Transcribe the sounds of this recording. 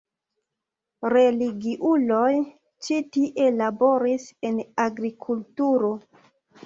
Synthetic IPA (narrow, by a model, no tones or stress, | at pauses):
ɾe̞liɡiʔulo̞j | t͡ʃitiʔe̞labo̞ɾise̞naɡɾikʰultuɾo̞